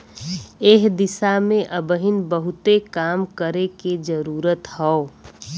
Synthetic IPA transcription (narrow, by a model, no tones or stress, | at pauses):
eːɦd̪ɪsamẽʔəbəɦɪnbəɦʊt̪ekaːmkəɾeked͡ʒəɾuːɾət̪ɦɛo